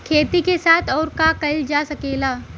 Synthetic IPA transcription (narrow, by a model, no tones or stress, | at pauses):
kʰeːt̪ikesaːt̪ʰɔːɾkakɐld͡ʒaːsɐkeːlaː